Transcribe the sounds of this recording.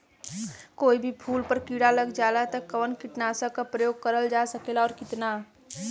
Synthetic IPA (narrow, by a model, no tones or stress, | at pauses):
koːibʱipʰuːlpəɾkiːɽaləɡd͡ʒaːlat̪əkːəʋənkɪʈnaːsakapɾəjoːɡ̚kəɾəld͡ʒasəkeːlaɔːɾkɪt̪na